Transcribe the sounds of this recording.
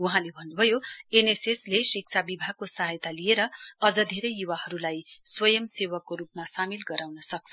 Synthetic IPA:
uɦãlebʱʌnːubʱʌjoeneseslesik̚t͡sʰabibʱaɡ̚kosʌɦajt̪alijeɾʌʌd͡zʌd̪ʱeɾʌjːuwahʌɾulajswʌjʌmsewʌkːoɾupmasamilɡʌɾawnʌsʌk̚t͡sʰʌ

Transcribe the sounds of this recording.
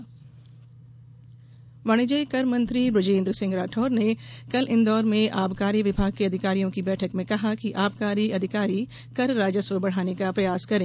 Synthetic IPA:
ʋaːɽ̃id͡ʒɐikɐɾmɐ̃nt̪ɾibɾʊd͡ʒẽːnd̪ɾəsɪ̃ŋɡɾaːʈʰɔːɾnekɐlʔɪnd̪ɔːɾmẽʔaːbkaːɾiʋɪbʱaːɡ̚keɐd̪ʱɪkaːɾijõkibɛːʈʰəkmẽkɐɦakiʔaːbkaːɾiɐd̪ʱɪkaːɾi | kɐɾːaːd͡ʒəswəbɐɽ̤aːnekapɾɐjaːskɐɾẽː

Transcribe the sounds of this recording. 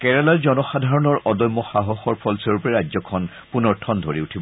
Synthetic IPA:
kɛɹalaɹzɔnɔxad̪ʱaɹɔnɔɹʔɔdɔjmːɔxaɦɔxɔɹpʰɔlsɔɹupɛɹajd͡ʒzɔkʰɔn | punɔɹtʰɔndʱoɹiutʰibɔ

